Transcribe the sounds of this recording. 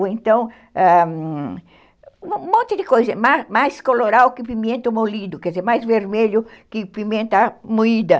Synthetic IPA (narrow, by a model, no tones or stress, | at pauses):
ẽnt̪ɐ̃w̃ | a | mõnt̪ɪd̪ɪkojzɐmamajskoloɾawkɪpimẽnt̪ʊmolid̪ʊkɛzeɾmajzveɾmeʎʊkɪpimẽnt̪amuid̪ɐ